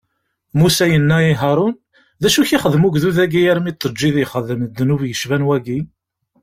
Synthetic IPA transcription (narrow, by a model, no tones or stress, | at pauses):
musæjənːæiɦɑɾˤʊn | ðæʃuçiχəðmuɡðuðæɡijæɾmit̪ˤːəd͡ʒːiðiχəðəmd̪ːnuvjəʃvænwæɡi